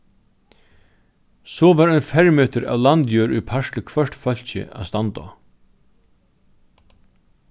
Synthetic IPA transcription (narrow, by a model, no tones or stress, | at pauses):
sɔːʋaːɾœnfɛɹmeːt̪əɾa̰ːʋlant̪jøːɾṵjpʰaʃlɪkʰvœʂt̪fœl̥çɪ̰a̰ːst̪ant̪ɔ̰